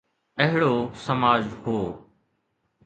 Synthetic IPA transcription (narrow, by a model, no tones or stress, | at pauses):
əɦɪɽoːsəmaːd͡ʒhoː